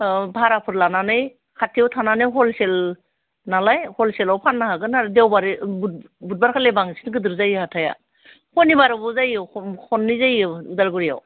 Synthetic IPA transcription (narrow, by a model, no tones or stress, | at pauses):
bʱaɾapʰɯɾlananɯj | kʰatʰijawtʰananɯjɦɔlsel | nalajhɔlselawpʰanːaɦaɡɯnaɾdewbaɾib̚ | but̚baɾkʰalebaŋsi̥nɡɯdɯɾzajɯhatʰaja̰ | hɔnibaɾɯbɔzajawkʰɔnːizajɯudaɾɡuɾija̰w